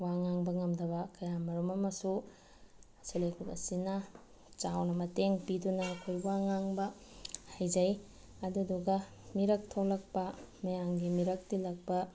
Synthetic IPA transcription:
waŋaŋbɐŋɐmdɐβɐkɐjamɐɾumɐmɐsu | ɐsɐlekʰukɐ̰sinɐ | t͡ʃawnɐmɐteŋpidunɐkʰojbaŋaŋbɐhajd͡ʒɐj | ɐduduɡɐ | miɾɐk̚tʰolɐk̚pɐmɐjaŋɡimiɾɐk̚tilɐk̚pɐ

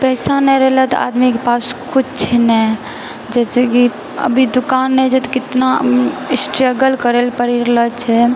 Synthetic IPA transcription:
pɛsanɛɾɛlɛt̪ɔ̰a̰d̪mikepaskut͡ʃt͡ʃʰnɛ | d͡ʒɛt͡ʃʰɛki | ə̰bʱid̪ukanːɛt͡ʃʰɛt̪ɔ̥kit̪nasʈɾəɡəlkəɾelpəɾiɾlət͡ʃʰɛ

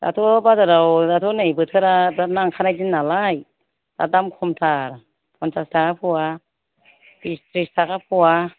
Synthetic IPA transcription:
da̰tʰɔbazaɾawdatʰɔnajbɯtʰɯɾabɾanaŋkʰanajzinːalaj | da̰damkʰɔmtʰaɾ | pʰɔnsastʰakapʰɯwa | bistɾistʰakapʰɔwa

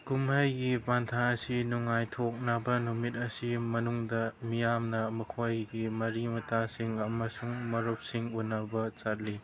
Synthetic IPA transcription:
kumajɡibantʰaɐsinuŋajtʰok̚nabɐnumit̚ɐsimɐnuŋdɐmijamnɐmɐkʰojɡimɐɾimɐtʰasiŋɐmɐsuŋmɐɾup̚siŋunːɐbɐt͡ʃat̚li

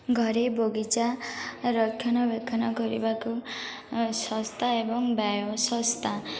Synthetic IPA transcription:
ɡʱɔɾeboɡit͡ʃaɾɔkʰːjɔnɔbekʰɔnɔkɔɾḭbaku | sɔst̪ʰaebɔŋbjajosɔst̪ʰa

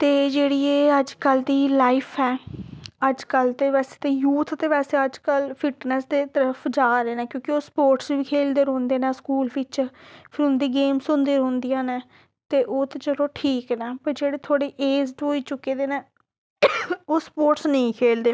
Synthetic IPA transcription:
t̪eːd͡ʒeːɽiːeːəd͡ʒkəld̪iːlaːɪpʰɛː | əd͡ʒkəlt̪eːʋɛːseːt̪eːjuːt̪ʰt̪eːʋɛːseːəd͡ʒkəlpʰɪʈnɛsd̪eːt̪əɾəpʰd͡ʒaːɾeːnɛ̃ːkjõːkɪoːspoːɾʈsʋiːkʰeːld̪eːɾõːnd̪eːnɛ̃ːskuːlʋɪt͡ʃpʰɪɾʊ̃nd̪eːɡeːmsʊnd̪eːɾõːnd̪ijãːnɛː | t̪eːʔoːt̪et͡ʃəlõːʈʰiːknɛːpəɾd͡ʒeːɽeːt̪ʰoːɽeːʔeːzʈɦoːiːt͡ʃʊkːeːd̪eːnɛ̃ː | oːspoːʈsnəĩːkʰeːld̪eː

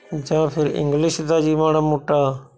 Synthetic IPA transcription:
d͡ʒãːpʰɪɾɪ̰̃ŋɡlɪʃd̪aːd͡ʒiːmaːɽaːmuːʈaː

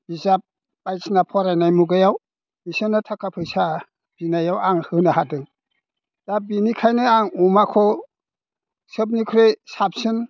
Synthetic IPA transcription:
bizap̚ː | ajsnapʰɔɾajnajmuɡajaw | misɯnatʰakʰapʰɯsa | b̥inajawaŋhɯnahadɯŋ | dabinikʰajnɯaŋumakʰɔ | səb̬nikʰɾesap̚sɯn

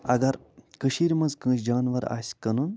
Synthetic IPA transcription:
ɐɡɐɾ | kəʃiɾmɐnzkə̃ːsd͡ʒaːnʋɐɾa̰sʲkɐnun

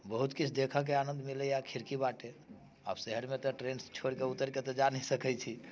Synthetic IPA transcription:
bəɦut̪kit͡ʃʰd̪ekʰək̬eanənd̪milɛjakʰiɾkibaʈe | a̰bsəɦəɾmet̪ɔʈɾenst͡ʃʰoɾkeut̪ːəɾket̪ɔd͡ʒanisəkɛt͡ʃʰi

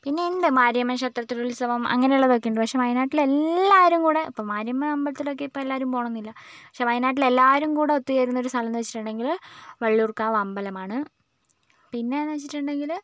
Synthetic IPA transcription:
pinːe̞ind̪ɨmaːɾjɐmːɐɕɐt̪rɐt̪ːiɣulsɐʋɐmɐ̰ŋːɐne̞juɭːɐðo̞kːejuɳɖɨpɐkʂe̞mɐjnaːʈːile̞lːaːʋɐɾumkuːɽe̞ipːoːmaːɾjɐmːɐʋɐmbɐlɐt̪ːilo̞k̬ːeipːoelːaːɾumpo̞ːɳɐnːilːɐpɐkʂe̞ʋɐjnaːʈ̬ːile̞lːaːʋɐɾumkuːɽe̞ot̪ːijeːɾunːoɾust̪ʰɐlɐnːɨʋet͡ɕːi̥ʈːuɳɖe̞ŋɡilʋɐɭːurkaːʋɐmbɐlɐmaːɳɨ | pinːenːɨʋet͡ɕːiʈːuɳɖe̞ŋɡil

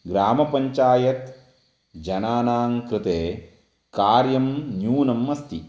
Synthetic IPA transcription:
ɡɾaːmɐpɐɲt͡ʃaːjɐt̪ | d͡ʒɐnaːnaːŋkɾɪt̪eː | kaːɾjɐmnjuːnɐmːɐst̪ʰi

